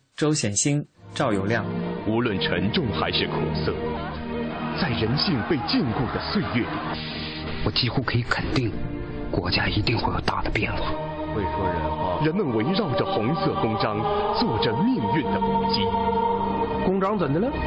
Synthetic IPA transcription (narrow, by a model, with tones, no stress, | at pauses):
ʈ͡ʂo˥ʊɕjɛ˨˩nɕi˥ŋʈ͡ʂɑ˥˩ʊjo˨˩ʊljɑ˥˩ŋu˧˥lwə˥˩nʈ͡ʂʰə˧˥ŋʈ͡ʂʊ˥˧˩ŋxa̰˧˥ɪʂɻ̩˥˩kʰʊ˨˩sɤ̰˥˩ | t͡sa˥˩ɪɻə˧˥nɕi˥˧ŋpe˥˧ɪt͡ɕi˥˧nku˥˩d̪ə˩swe˥˧ɪɥɛ˥˩ | wɔ˨˩t͡ɕi˥xu˥kʰɤ˧˥i˧˥kʰə˨˩nt̪i˥˩ŋ | kwɔ˧˥t͡ɕja˥i˧˥t̪i˥˧ŋxwe˥˩ɪjo̰˨˧˩t̪a̰˥˩d̪ə˩pjɛ˥˩nxwa̰˥˩ | we˥˩ɪxɤ˧˥ɻə˧˥n˥˧ɻə˧˥nmə˨nwe˧˥ɪɻɑ˥˩ʊʈ͡ʂə˩xʊ˧˥ŋsɤ˥˩kʊ˥ŋʈ͡ʂɑ˥ŋt͡swɔ˥˩ʈ͡ʂə˨mi˥˧ŋy˥˩nd̪ə˩u˧˥t͡ɕi˥ | kʊ˥ŋʈ͡ʂɑ˥ŋt͡sə˨˩nd̪ə˧nə˧